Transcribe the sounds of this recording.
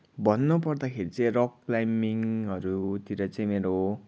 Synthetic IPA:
bʱʌnːupʌrd̪akʰeɾit͡saĩroklajmiŋɦʌɾut̪iɾʌt͡saĩmeɾo

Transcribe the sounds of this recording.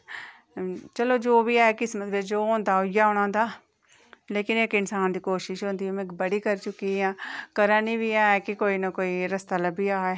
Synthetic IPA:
t͡ʃəloːd͡ʒoːbiːaːɛkɪsmət̪əbed͡ʒoːɦõːnd̪aːojaɦõñãːnd̪aː | leːkɪneːkɪnsaːnd̪iːkoːʃɪʃɦõːnd̪iɦõːmẽkbəɽiːkəɾt͡ʃʊkiɦãːkəɾãːnĩːbiaːɦɛkikoːinəkoːiɾəst̪aləbʱiːaːɦeː

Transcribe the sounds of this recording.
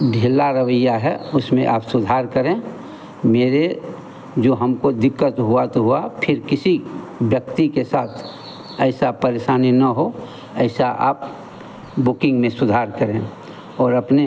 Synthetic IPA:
ɖʱilaɾəʋəjːaɦɛʊsmḛ̃ʔa̰ːpsʊd̪ʱaːɾkəɾẽ | meːɾe | d͡ʒoːɦəmkod̪ɪkːət̪ɦuat̪oɦuapʰɪɾkɪsi | ʋjək̚t̪ikesaːt̪ʰ | ɛɪsapəɾeʃaːninɐɦo | ɛɪsaʔa̰ːp̚ | bʊkɪ̃ŋɡmẽsʊd̪ʱaːɾkəɾẽː | ɔːɾɐpne

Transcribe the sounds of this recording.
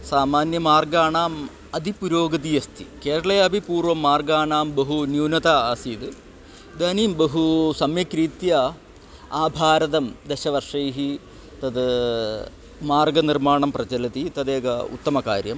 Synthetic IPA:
saːmaːnjɐmaːrɡaːɳaːm | ɐd̪ipuɾoːɡɐd̪ijɐst̪ʰḭkeːɾɐɭɐjɐbʱipuːrʋɐmːaːrɡaːɳaːmbɐɦunjuːnɐt̪aaːsiːd̪ɨ | d̪ɐːniːmbɐɦusɐmjɐkɾiːt̪jɐ | aːbʱaːɾɐðɐmd̪eɕɐʋɐrʂɐjɦi | t̪ɐd̪ | maːrɡɐnirmaːɳɐmprɐd͡ʑɐlɐt̪it̪ɐd̪eːɡɐṵt̪ːɐmɐkaːɾjɐm

